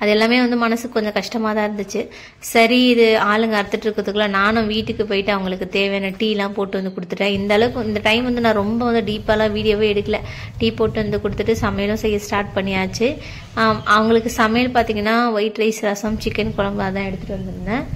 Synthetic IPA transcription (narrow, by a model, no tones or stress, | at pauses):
ɐðɛlːaːmeːʋɐnd̪ɯmɐnɐsɯkːɯkːɔɲd͡ʒɐ̃kɐʂʈɐmaːt̪ãːɪɾɯnd̪ɯt͡ʃːɯ | sɐɾiɪðɯaːlɐŋɡɐɐɾɯt̪ːɯʈːɪɾɯkːɾɐðɯkːɯɭaːnaːnʊ̃ʋiːʈːɯkːɯpoːjɪʈːɯɐʋɐŋɡɐɭɯkːɯt̪eːʋeːnɐʈiːlãːpoːʈːɯʋɐnd̪ɯkʊɽɯt̪ːɯʈːẽːɪnd̪ɐːɭɐʋʊ̃ɪnd̪ɐʈɐɪmʋɐnd̪ɯnãːɾɔmbɐʋɐnd̪ɯɖiːpːalãːʋiːɽɪjoːʋeːɛɽɯkːɐlɐ | ʈiːpoːʈːɯʋɐnd̪ɯkʊɽɯt̪ːɯʈːɯsɐmɐjɐlʊ̃sɛjːɐsʈaːɾʈ̚pɐɳːɪjaːt͡ʃːɯ | ʔɐʋɐŋɡɐɭɯkːɯsɐmɐjlpaːɾt̪iːŋɡɐnːaːʋɐɪʈɾɐɪsɾaːsɐmt͡ʃɪkːɐnkɔɻɐmbaːt̪ãːɛɽɯt̪ːɯʈːɯʋɐɾnd̪ɯnɯnːɐ